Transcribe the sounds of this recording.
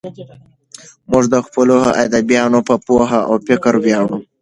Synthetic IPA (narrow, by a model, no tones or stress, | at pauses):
mʊʐd̪əxpəloʔad̪abjɑnopəpoɦaʔa̰wpɪkəɾwjɑɽu